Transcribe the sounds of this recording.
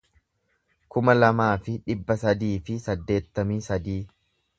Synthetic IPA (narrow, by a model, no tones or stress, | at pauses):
kʊmɐlɐmaːfɪᶑɪbːɐsɐd̪iːfɪsɐd̪ːe̞ːt̪ːɐmisɐd̪iː